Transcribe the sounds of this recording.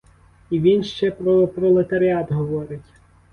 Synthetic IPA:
iʋʲinʃt͡ʃɛpɾɔpɾɔlˠet̪ɐɾʲiɑd̪ɦɔʋɔɾɪtʲ

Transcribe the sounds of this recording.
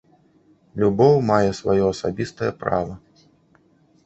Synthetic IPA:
lʲubɔwmajɛsvajɔɐsa̰bʲist̪ɐjɐpɾa̰vɐ

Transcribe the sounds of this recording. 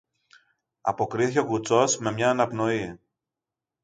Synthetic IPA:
ɐ̰po̞kɾiθico̞kut͡so̞sme̞mɲɐːnɐpno̞i

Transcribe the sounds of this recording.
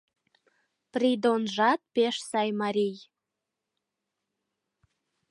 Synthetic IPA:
prid̪onʒɑt̪̚peʃsɑjmɑɾʲij

